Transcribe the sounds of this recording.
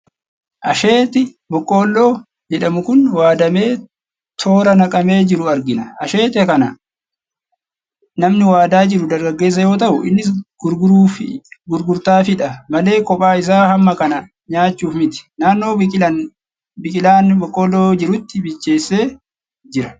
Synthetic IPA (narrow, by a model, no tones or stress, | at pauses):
ʔɐʃe̞ːt̪ɪ | bɔkʼːoːlːoː | d͡ʒɛᶑɐmʊkʊnwaːd̪ɐme̞ː | t̪ʰo̞ːɾɐnɐkʼɐme̞ːd͡ʒɪɾʊɐɾɡɪnɐɐʃe̞ːt̪ɛkɐnɐ | nɐmnɪwaːd̪aːd͡ʒɪɾʊd̪ɐɾɡɐɡːe̞ːs̬ːɐjo̞ːt̪̬ɐʔʊʔɪ̰nːɪɡʊɾɡʊɾːfɡʊɾɡʊɾt̪aːfɪᶑɐmɐle̞ːkɔpʼaːɪs̬aːhɐmːɐkɐnɐ | ɲaːt͡ʃːuːfmɪt̪ɪ̥naːnːo̞ːɪɐ | bɪkʼɪlaːnbɔkʼːoːlːoːd͡ʒɪɾʊt̪ːɪbɪt͡ʃːe̞ːsːe̞ː | d͡ʒɪɾɐ